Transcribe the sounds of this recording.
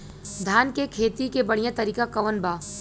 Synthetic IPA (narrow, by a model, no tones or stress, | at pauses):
d̪ʱaːnkekʰeːt̪ikebɐɽijãt̪ɐɾiːkakɐʋənbaː